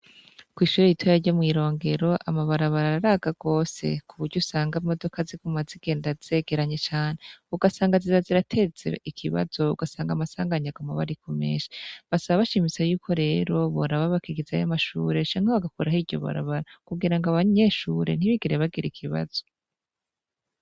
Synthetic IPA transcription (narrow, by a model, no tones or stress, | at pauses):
kwiːʃuːɾejitʰojaɾɟomŋiːɾo̞ːŋɡe̞ɾo̞ʔa̰maβaɾaβaɾaaɾaːɡaɡ̥o̞ːse̞̰kʰuβuɾɟusaːŋɡaimo̞do̞kazikumaziɡ̥e̞ːndaz̥e̞ɡ̥e̞ɾaɲe̞t͡ʃaːn̥euɡasaːŋɡaziɾaziɾatʰe̞zḛikʰiβa̰zo̞ṵɡasaːŋɡamasaːŋɡaɲaɡamaβa̰ɾikʰome̞̰ʃe̥βasaβaβaʃimisajuːkʰo̞ɾe̞ːɾo̞βoɾaβaβakiɡiza̰jamaʃṵːɾe̞t͡ʃaːɲ̥haβaɡakoɾahiɾɟo̞̰βa̰ɾa̰βaɾakuɡiɾaŋɡaβaɲe̞ʃuːɾe̞̰n̥iβiɡeɾeβaɡiɾikʰiβa̰z̥o̞